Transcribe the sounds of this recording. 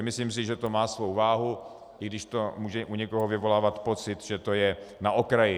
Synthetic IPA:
mɪsliːms̬ɪʒɛt̪o̞maːsvowvaːɦu | ʔɪɡdɪʃt̪o̞muːʒɛʔuɲɛkoɦovɪvo̞laːvat̪po̞t͡sɪt̪ʒɛt̪o̞jɛnaʔokɾajɪ

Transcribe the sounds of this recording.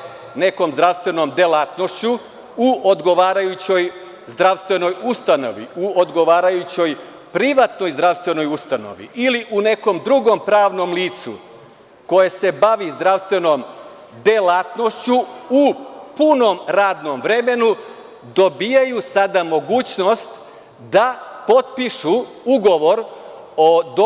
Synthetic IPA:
ne̞ko̞mzd̪ɾaʋst̪ʋe̞no̞md̪elat̪no̞ʃt͡ɕu | uʔod̪ɡo̞ʋaːɾajut͡ɕo̞j | zd̪ɾaʋst̪ʋe̞no̞just̪ano̞̰ʋḭuod̪ɡo̞ʋaːɾajut͡ɕo̞j | pɾiʋat̪no̞jzd̪ɾaʋst̪ʋe̞no̞just̪ano̰ʋḭiliʔune̞ko̞md̪ɾuɡo̞mpɾaːʋno̞mliːt̪sṵ | ko̞jese̞baʋizd̪ɾaʋst̪ʋe̞no̞m | d̪elat̪no̞ʃt͡ɕuupuno̞mɾaːd̪no̞mvɾe̞me̞nu | d̪o̞bijajusad̪amo̞ɡuːt͡ɕno̞st̪ | d̪apo̞t̪̚piʃu | uɡo̞ʋo̞ɾ | od̪o

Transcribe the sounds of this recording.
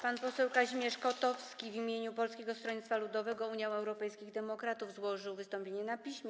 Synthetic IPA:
panpɔsɛwkaʑimʲjɛʂkɔt̪ɔfskʲivimʲjeɲupɔlskʲeɡɔst̪ɾɔɲit̪t̪falud̪ɔvɛɡɔuɲjaw̃ɛwɾɔpɛjskʲiɣd̪ɛmɔkɾat̪uvzwɔʐɘwvɘst̪ɔmpʲeɲɛnapʲiɕmʲjɛ

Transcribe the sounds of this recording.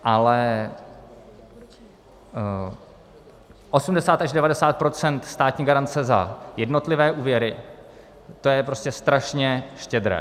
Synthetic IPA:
ʔalɛ | ʔo̞sumdɛsaːt̪aʒdɛvadɛsaːt̪̚pɾo̞t͡sɛnt̪st̪aːt̪ɲiːɡaɾant͡sɛza̰jɛdno̞t̪lɪvɛːʔuːvjɛɾɪ | t̪o̞jɛpɾo̞scɛst̪ɾaʃɲɛʃcɛd̪ɾɛ̰ː

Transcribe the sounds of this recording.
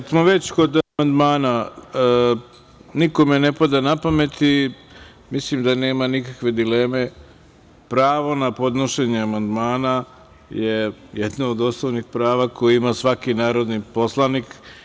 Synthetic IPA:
smoʋe̞t͡ɕko̞d̪amand̪maːna | niko̞menepad̪anapame̞t̪i | mislimd̪ane̞ːmanikakʋe̞d̪ile̞ːme̞ | pɾaːʋo̞napo̞d̪noʃe̞ɲeamand̪maːna | jejed̪naod̪oslonixpɾaːʋako̞jiimasʋakinaːɾo̞d̪nipo̞slˠaniːk

